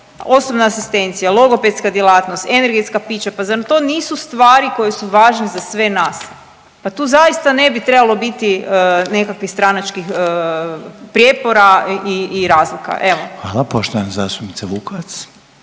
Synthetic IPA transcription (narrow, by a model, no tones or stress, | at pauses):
o̞sobnaːsist̪e̞nt̪sijalˠo̞ɡo̞pet̪skad̪jelˠaːt̪nost̪ene̞ɾɡe̞t̪skapiːt͡ʃapazant̪o̞niːsust̪ʋaːɾiko̞jesuʋaːʒnezasʋe̞naːs | pat̪uːzajist̪ane̞bit̪ɾe̞balˠo̞bit̪iəne̞kakʋixst̪ɾanat͡ʃkixə | pɾʲjepo̞ɾaiːɾaːzlika̰ʔe̞ʋoxʋaːlˠapoʃt̪oʋanazast̪upnit̪aʋukoas